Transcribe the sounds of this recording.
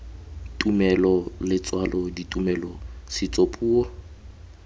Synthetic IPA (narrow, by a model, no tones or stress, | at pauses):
tʼumɛlɔlɪt͡sʼwalʔɔditʼumɛlɔsɪt͡sʼopʼuːɔ